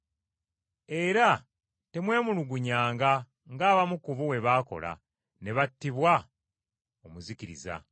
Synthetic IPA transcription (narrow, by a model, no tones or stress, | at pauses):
e̞ɾa | te̞mwe̞ːmuluɡuɲaːŋɡa | ŋɡaːβamukuβuwe̞βaːko̞̰la̰ | ne̞βatːiβwa | omuziciɾḭza̰